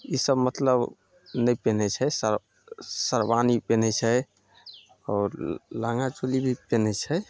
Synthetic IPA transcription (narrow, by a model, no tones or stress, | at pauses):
isəbmət̪ləb | nɛjpenɛt͡ʃʰɛsə | səɾbanipenɛt͡ʃʰɛ | ɔːɾlaŋɡat͡ʃolibʱipenɛt͡ʃʰɛ